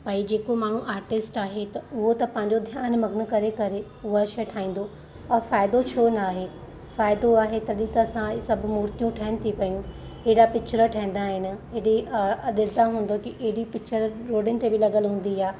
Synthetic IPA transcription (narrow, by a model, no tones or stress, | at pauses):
paːid͡ʑeːkomaːɳ̤ũʔaːɾʈɪsʈaːɦet̪ɐʊɦot̪ɐpɐ̃ɦɪ̃ɲd͡ʑod̪ʱjaːnmɐɡnə̆kɐɾekɐɾe | ʊɦoɐʃɐʈʰaːĩːnd̪o | ɔːɾfaːɪd̪ot͡ɕʰoːnaːɦe | faːɪd̪oaːɦet̪ɐɗit̪əsãsɐbʱʊmuːɾt̪ijũʈʰɐːɪnɪ̆t̪ʰipɐjũ | ɪɦɽapɪkt͡ʃəɾəʈʰɐ̃ɦĩn̆d̪aːɦɪnɪ̆ɪɗiɗɪsɪd̪aɦũːn̆d̪okiʔeɦɪɽipɪkt͡ɕəɾɾoːɖɪnɪ̆t̪ebɪlɐɠəlɦũːn̆d̪iaː